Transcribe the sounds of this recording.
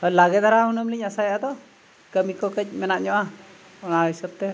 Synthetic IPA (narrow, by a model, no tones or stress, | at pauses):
ɔlaɡɛt̪̚aɾaɦunəmliɲasajat̪ɔ | kəmikɔkəc̚ˀmɛnaʔɲɔʔa | ɔnaisəb̚t̪ɛ